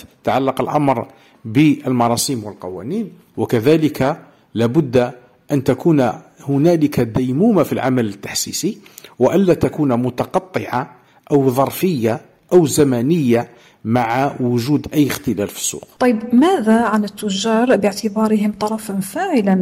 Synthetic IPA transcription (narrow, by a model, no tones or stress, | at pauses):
t̪aʕalːɑqəlʔɑmɾ | bəʔəlmɑɾˤɑsˤiːmwəlqɑwæ̰niːn | wəkæðæːlɪkʰa | læbʊd̪ː | ʔænt̪akuːnhʊnælɪkad̪æjmuːmafilʕa̰mælət̪ːḁħsiːsiwaʔænːæt̪akuːnmʊt̪ɑqɑt̪ˤːəʕa | ʔəwðˤɑɾˤfəjːa | ʔəwzæmænəjːa | maʕawʊʒuːd̪ʔæjːəxt̪əlælfi̥sˤːṵːqt̪ˤɑjːəbmæːðaʕanət̪ːʊʒːɑːɾˤbəʕt̪ɪbɑːɾɪɦɪmt̪ˤɑɾˤɑfanfaːʕɪlan